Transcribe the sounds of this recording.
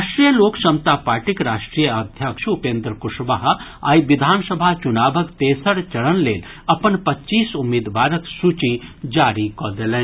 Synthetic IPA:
aʃʈɾijəloːkʃɐmt̪aːpaːɾʈikɾaːʃʈɾijəad̪ʱjakʃupẽːnd̪ɾəkuʂbaɦaːjʋid̪ʱaːnsɐbʱat͡ʃunaːbʱəkt̪eːsəɽt͡ʃɐɽənleːl | ɐpənpɐtːt͡ʃiːsumeːd̪ʋaːɾəksut͡ʃid͡ʒaːɾikɔd̪elɛ̃

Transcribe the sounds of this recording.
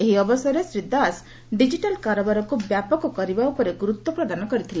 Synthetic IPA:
eɦiɔbɔsɔɾesɾid̪ːas | ɖid͡ʒiʈalkaɾɔbaɾɔkubjapɔkɔkɔɾibaupɔɾeɡuɾut̪ːɔpɾɔd̪anɔkɔɾit̪ʰile

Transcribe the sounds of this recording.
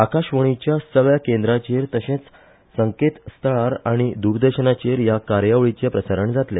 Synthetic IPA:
akaɕʋəɽ̃it͡ɕjasəɡɭjakend̪ɾat͡ɕeɾt̪əɕẽt͡s | səŋket̪st̪ʰəɭaɾaɽ̃id̪uɾd̪əɾɕənat͡ɕeɾjakaɾjaʋɭit͡ɕjepɾəsəɾəɳd͡zat̪le

